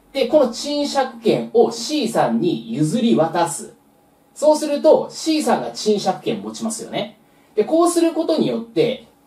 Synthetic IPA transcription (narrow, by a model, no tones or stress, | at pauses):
d̪̥e̞ko̞no̞t͡ɕĩɰ̃ɕakɯ̟̥kẽ̞ɰ̃o̞ɕiːsãɲ̟ːijɯ̟zɨɾʲiβat̪asɨ̰ | so̞ːsɨɾɯ̟t̪o̞ɕiːsãŋɡat͡ɕĩɰ̃ɕakɯ̟̥kẽ̞mmo̞t͡ɕimasɨjo̞ne̞ | d̪̥e̞ko̞ːsɨɾɯ̟ko̞t̪o̞ɲ̟ijo̞t̪ːe̞